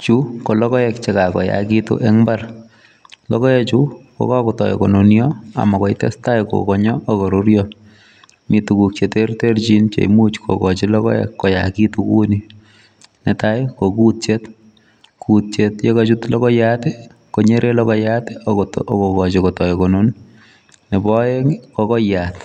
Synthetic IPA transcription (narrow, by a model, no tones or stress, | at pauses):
t͡ʃukolɔkɔɛk̚t͡ʃekakɔja̰kitṵʔɛŋbar | lɔkɔjɛt͡ʃuko̰kakʊtɔ̰jḛkɔnonjɔa̰makɔitɛ̰stajko̰kɔɲɔʔːkɔɾuɾjɔ | mitukuk̚t͡ʃetertert͡ʃint͡ʃḛmut͡ʃkʰo̰kɔt͡ʃilɔkɔ̰jɛ̰kːɔja̰kitukṵni | nɛtajkokut̚t͡ʃet | kut̚t͡ʃetjekɔt͡ʃutlɔkɔjate | koɲeɾʔelɔkɔjateokokɔt͡ʃekɔtɔjkonon | nebɔekɔkɔjat